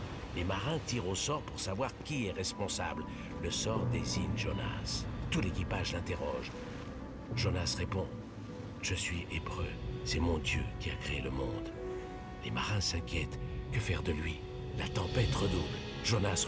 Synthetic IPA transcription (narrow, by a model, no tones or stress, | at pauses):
lemaʁɛ̃t̪iʁosɔʁpuʁsavwaʁkʲiɛʁɛspɔ̃sa̰bl | ləsɔʁd̪eziɲʒona̰st̪ulekʲipaʒlɛ̃t̪eʁɔʒ | ʒonasʁepɔ̃ | ʒ̥əsɥiebʁø̰sɛmɔ̃d̪jø̰kʲiakχeeləmɔ̃d̪ | lemaʁɛ̃sɛ̃kʲjɛt̪kəfɛʁd̪əlɥi | lat̪ɑ̃pɛt̪ʁəd̪o | ʒonas